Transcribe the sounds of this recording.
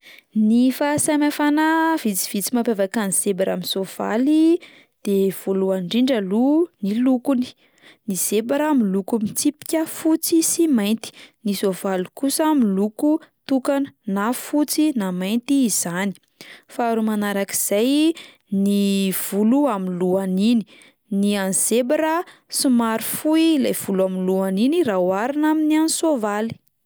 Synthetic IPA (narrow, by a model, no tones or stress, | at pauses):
nifasamafanav̥it͡si̥v̥it͡simapevakanisebaɾa̰minsov̥a̰li | d̪̥ev̥oluaɳɖ͡ʐiɳɖ͡ʐalunilukuni̥ | niz̥ebaɾamilukumit͡sipi̥kʲəfut͡sisimajnt̪i̥nisovalikusamilukut̪ukanə̥nafut͡sinamajnt̪iːz̥ani̥ | faaɾumanaɾakiz̥aj | niv̥uluaminluanini̥ | nianz̥ebaɾəsimaɾfuilajv̥uluaminluaninirawaɾinaminiansovali̥